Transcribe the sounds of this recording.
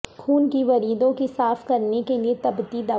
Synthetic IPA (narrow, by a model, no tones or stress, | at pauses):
xuːnkiʋɐɾiːd̪õkisaːfkɐɾnekeliet̪ɐbt̪id̪aː